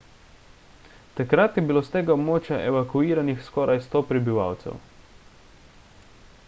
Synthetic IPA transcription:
t̪akɾat̪jɛbiloːst̪eːɡaɔbmoːt͡ʃjaʔɛʋakuiːɾanixskɔːɾʔajst̪oːpɾɛbiʋa̰ːwt̪sɛ̰w

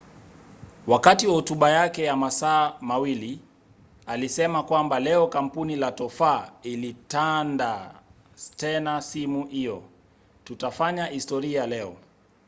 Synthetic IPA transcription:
wakatiwahutuɓajakɛjamasaːmawili | alisɛmakwambalɛɔkam̩punilatɔfailitanda | tɛnasimuhijɔ | tutafaɲahistɔɾiajalɛɔ

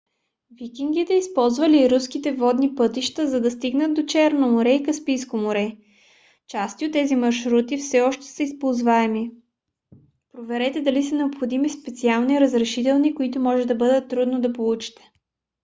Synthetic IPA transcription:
vikiŋɡit̪ɛispɔlˠzvɐliːɾuskit̪ɛvɔd̪nipɤt̪iʃt̪əzɐd̪ɐst̪iɡnət̪̚d̪ot͡ʃɛɾnomoɾɛikɐspijskomoɾɛ | t͡ʃast̪iot̪ːɛzimɐɾʃɾut̪ifsɛɔʃt̪ɛ̥səispolˠzvaɛmi | pɾovɛɾɛt̪ɛd̪ɐlisɐnɛopxod̪imispɛt̪sialˠniɾɐzɾɛʃit̪̬ɛlˠnikoit̪ʊmɔʒɛd̪ɐbɤd̪ət̪ːɾud̪nod̪ɐpolˠut͡ʃi̥t̪ɛ̥

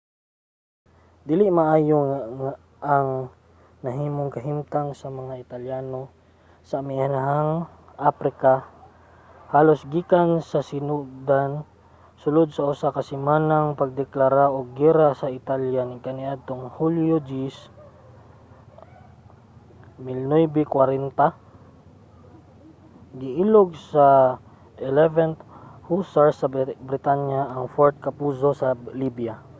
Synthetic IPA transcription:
d̪iːlɪʔmɐʔaːjoŋaŋa | ʔːŋ | nɐɦiːmoŋkɐɦimt̪aŋsɐmɐŋaʔɪt̪ɐljaːno̞ | sɐmɪʔanaɦaŋ | ʔapɾɪka | haːlosɡiːkansɐsɪnud̪an | sʊlod̪̚sɐʔʊsakɐsɪmaːnaŋpɐɡ̚d̪ɛklaɾaʔoɡ̚ːiɾasɐʔɪt̪aljanɪkɐnɪʔad̪̚t̪oŋhuljod͡ʒis | mɪlnojbɪkwaɾɛnt̪a | ɡɪʔiloɡ̚sɐ | ʔɛlɛvɛnt̪husaɹsɐbɾɪt̪aɲjaɐŋfoɹt̪̚kɐpuːso̞sɐlibja

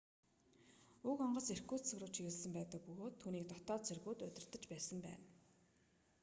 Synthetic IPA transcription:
ɵkɔɴɢɞ̆ser̥ɡuːt̪sʰɵɣrʊːt͡ɕʰiɣɘ̆ɮsə̆mpæːt̪ə̆k̚pɵɣoːt̪ʰːuːniːk̚t̪ɔt̪ɔːt͡sʰerɣuːt̪ɵt̪ʲɪ̆r̥t̪ə̆t͡ɕpæːsə̆mpæ̰ːn

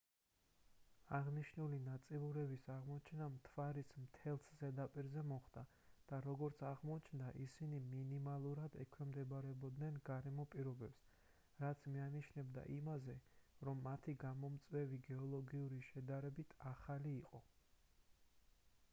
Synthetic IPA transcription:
aʁniʃnulinat̪sʼiluɾɛbisaʁmɔt͡ʃʰɛnamt̪ʰvaɾismt̪ʰɛlˠszɛd̪apʼiɾzɛmɔχd̪a | d̪̥aɾɔɡɔɾt̪sʰaʁmɔt͡ʃʰnd̪aʔisiniminimalˠuɾad̪ɛ̰kʰwɛmd̪ɛbaɾɛbɔd̪nɛnɡaɾɛmɔpʼiɾɔbɛps | ɾat̪sʰmianiʃnɛbd̪a̰ʔimazɛɾɔmːat̪ʰiɡamɔmt̪sʼwɛviɡɛɔlˠɔɡiuɾiʃɛd̪aɾɛbit̪ʰaχaliːqʼɔ

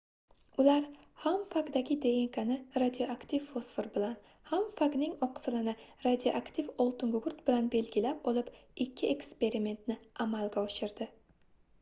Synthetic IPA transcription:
ʊlaɾ | hamfakd̪aɡʲɪd̪ejeŋkʰanɪɾad̪ijoakt̪ʰivːosfeɾbɪlan | hamfaknɪŋɒqsɪlɪnɪɾad̪ʲijoʔakt̪ʰivɒlˠt̪ɪŋɡɡʊɾt̪bɪlanbe̞lɡʲɪlapɒlˠɪpɪkʲʰːɪekspe̞ɾime̞nt̪nɪamalɡʲaɒʃɪɾd̪ɪ

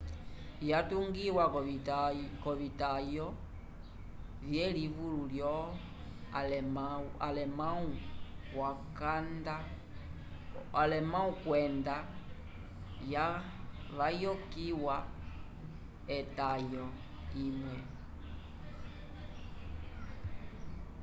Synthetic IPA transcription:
jatuŋɡiwa | kɔβitajɔ | βjɛliβululjɔ | lmaalɛmauwakanda | alɛmãũkwɛnda | jaβajɔkiwa | ɛtajɔ | imwɛ

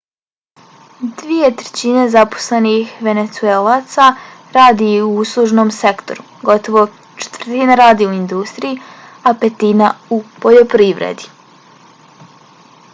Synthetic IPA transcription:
d̪ʋije̞t̪ɾe̥t͡ɕine̞zapo̥slenixʋe̞ne̞t̪sueːlat̪saɾaːd̪iuuslˠuʒnomse̞kt̪o̞̰ɾu | ɡo̞t̪oʋo̞ | t͡ʃe̥t̪vərt̪inaɾaːd̪iuind̪ust̪ɾijiapet̪inaupo̞ʎo̞pɾiːʋɾḛd̪i̥

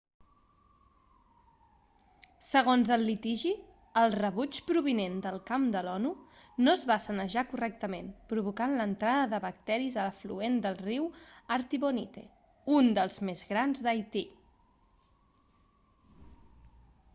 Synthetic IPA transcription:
səɣ̞onzəlːit̪iʒi | əlˠrəβut͡ʃpɾuβinend̪əlˠkamd̪əlɔnunozβasənəʒakurɛk̚t̪əmenpɾuβukanlənt̪ɾaðəðəβək̚t̪ɛɾizələflṵend̪əlˠriwəɾt̪iβonit̪ḛ | und̪əlˠzmezɣɾanzd̪əjt̪i

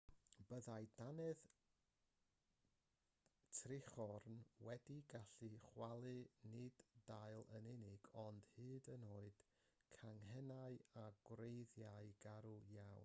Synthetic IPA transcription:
b̥əðajdanɛð | tʰrɪχɔrnwɛdiɡaɬɨχwalˠɨnɪdːaɨlˠə̰nɪnɪɡɔnd̥hɨːdənoːɨd̥ | kʰaŋɦɛnaɨaɡ̥wrejðjaɨɡ̥aɾujawn

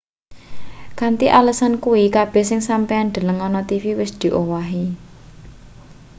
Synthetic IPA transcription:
kant̪iʔaləsankuwikab̥ɛ̤hsɪŋsampɛanɖ̪̥ə̤ləŋɔnɔt̪ifiwɪsd̪̥i̤ʔowaɦi

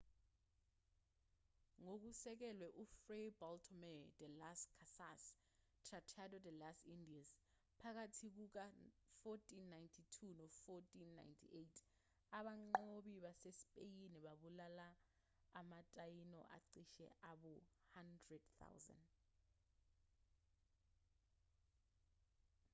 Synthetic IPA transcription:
ŋok̬usɛk̬ɛlwɛʔufrebɔltʰɔmɛd̥ɛlaskʰasas | tʰratʰadɔdɛlasindias | pʰak̬atʰik̬uk̬afɔtʰʼinːajntʰitʰunɔfɔtʰʼinːa̰jntʰḭʔejtʰ | aɓaŋ͡ǃoɓiɓasespʼejiniɓaɓulalaː | matʼajinɔ̰ʔa̰ǀiʃɛ̰ʔaɓuhandrɛd̥θʰa̰wza̰nd

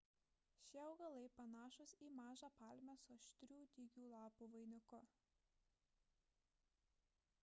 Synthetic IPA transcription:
ʃʲeɒʊɡɐlˠɐɪpɐnɑːʃʊsiːmɑːʒɑːpɑˑlʲmʲɛsoʃʲt̪ʲɾʲuːd̪ʲiɡʲuːlˠɑːpuːʋɐɪnʲʊkʊ

